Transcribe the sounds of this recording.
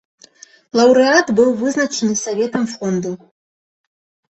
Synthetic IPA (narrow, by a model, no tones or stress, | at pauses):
lˠawɾɨatbɨwvɨznat͡ʃʰenɨsavʲet̪ʰɐmfrond̪u